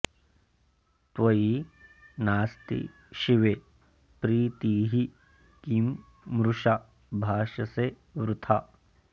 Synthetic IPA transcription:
t̪ʋɐji | naːst̪ḭ | ʃiʋeː | pɾiːt̪iːɦi | kimː | ɾuʃa | bʱaːʃɐse | ʋɾut̪ʰa

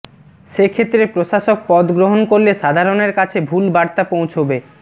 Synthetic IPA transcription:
ʃekʰet̪ːɾepɾoʃaʃok̚pɔd̪ɡɾoɦonkoɾleʃad̪ʱaɾoneɾkat͡ɕʰebʱulbaɾt̪apow̃t͡ɕʰobe

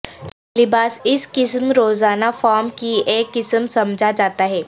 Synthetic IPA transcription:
taːlɪbaːsɪskɪsmɾoːzaːnafaːɾmkieːkːɪsəmsɐmd͡ʒʱad͡ʒaːt̪aɦɛː

